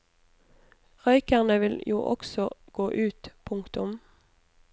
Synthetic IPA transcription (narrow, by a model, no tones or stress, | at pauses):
ʁœʏkəʁnəʋɪljṵːʔɔksɔɡ̥oːʔʉːt̪pʰʊŋkt̪ʊm